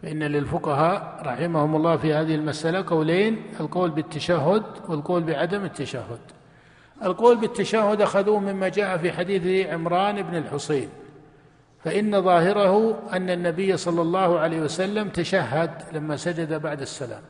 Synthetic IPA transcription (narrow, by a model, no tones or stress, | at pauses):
faʔɪnːalɪlfʊqɑɦaːʔɾˤɑħɪmahʊmʊlˤːɑːfihaːðɪhɪlmasʔalaqɑwleːnɪlqoːlbɪt̪ːaʃaɦːʊd̪wɪlqoːlbɪʕad̪amɪt̪ːaʃahːʊd̪ | ʔalqoːlbɪt̪ːaʃahːʊd̪ʔaxaðuːhmɪmːad͡ʒaːʔafiħad̪iːθʕɪmɾˤɑːnʔɪbnɪlħʊseːn | faʔɪnːaðˤɑːhɪɾahʊʔanːanːabɪjːasˤɑlːɑlˤːɑːhʊʕaleːhwasalːamt̪aʃahːad̪lamːasad͡ʒad̪abaʕd̪asːala̰ːm